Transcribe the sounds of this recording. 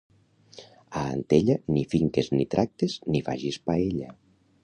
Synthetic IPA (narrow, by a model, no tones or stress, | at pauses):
a̰ːnt̪eʎanifiŋkeznit̪ɾʔak̚t̪eznifa̰ʒispaeʎa̰